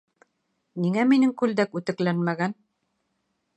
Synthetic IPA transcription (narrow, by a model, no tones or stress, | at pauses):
niŋæminɘŋkʉld̪ækʉt̪ɘ̆klænmæɡæn